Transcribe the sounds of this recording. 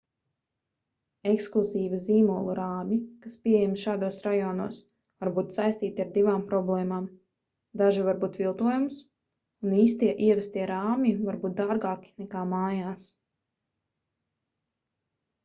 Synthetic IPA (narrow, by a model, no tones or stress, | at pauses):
eksklˠuziːviziːmuɔlˠuɾaːmʲikaspʲiɛjɛmʃaːd̪uɔsɾajɔːnṵɔs | vaɾbuːt̪sajst̪iːt̪iaɾd̪ivaːmpɾɔblˠɛːmaːm | d̪aʒivaɾbuːt̪vilˠt̪uɔjums | uniːst̪iɛʔiɛvɛst̪iɛɾaːmʲivaɾbuːt̪̚d̪aːɾɡaːki̥nɛkaːmaːjaːs